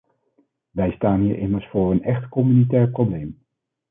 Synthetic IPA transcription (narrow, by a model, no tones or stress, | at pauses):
ʋɛjstaːnɦiːɹʔɪməɹsfʊːɹənɛχtkɔmynitɛːɹprowblejm